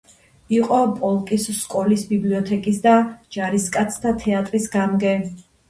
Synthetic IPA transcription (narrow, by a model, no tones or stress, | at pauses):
iqʼɔpʼɔlˠkʼisskʼɔlisbibliɔt̪ʰɛkʼisd̪ad͡ʒaɾiskʼat̪sʰd̪ʰat̪ʰɛat̪ʼɾisɡamɡɛ